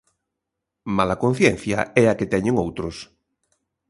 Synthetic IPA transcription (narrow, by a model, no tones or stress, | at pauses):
malakon̟θjɛn̟θja̰ɛaket̪ɛɲeŋowt̪ɾos